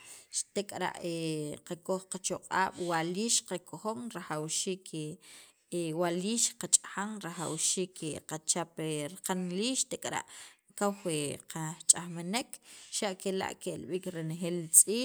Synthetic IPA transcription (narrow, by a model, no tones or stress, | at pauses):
ʃt̪ekʼɾa̰ʔeqakoxqat͡ʃoqʼa̰ːɓ̥waliːʃqakʰoxoŋɾaxawʃiːkʰe | ewaliːʃqat͡ʃʼaxaŋɾaxawʃiːkʰeqat͡ʃapeɾqanliːʃt̪ekʼɾa̰ʔkawxweqat͡ʃʼaxmenekʃaʔkela̰ʔkelɓiːkɾenexeːlt͡sʼiː